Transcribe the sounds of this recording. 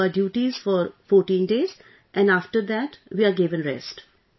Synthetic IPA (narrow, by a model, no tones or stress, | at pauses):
əɖjuːʈizfɔɾfɔːɾʈĩːnɖeːz | ʔɛ̃nɖaːfʈəɾd̪æʈʋiːaːɾɡɪʋə̃nɾɛ̰sʈ